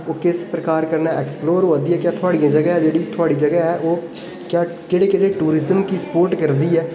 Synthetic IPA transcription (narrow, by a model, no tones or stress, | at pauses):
oːkɪspɾəkaːɾkəɾnaːɛːksploːɾoːd̪iːɛːkjaːt̪ʰʊaːɽijãːd͡ʒəɡɛɛːd͡ʒeːɽiːt̪ʰʊaːɽiːd͡ʒəɡɛːɦɛːʔoː | kjaːd͡ʒeːɽeːkɪɽeːʈuːɾɪzəmkiːsə̥poːɾʈkəɾd̪iːɛː